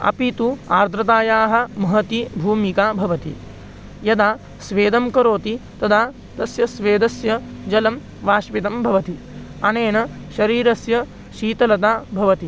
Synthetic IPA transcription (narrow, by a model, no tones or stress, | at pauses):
ɐ̰pit̪uaːɾd̪ʱɾɐt̪aːjaːɦɐ̆mɐɦɐt̪ibʱuːmikaːbʱɐʋɐt̪ḭ | jɐd̪aː | sʋeːd̪ɐmkɐɾoːt̪it̪ɐd̪ʱaː | t̪ɐsjɐsʋeːd̪ɐsjɐd͡ʒɐlɐm | ʋaːʃpit̪ɐmbʱɐʋɐt̪i | ɐneːnɐʃɐɾiːɾɐsjɐ | ʃiːt̪ɐlɐt̪aːbʱɐʋɐt̪i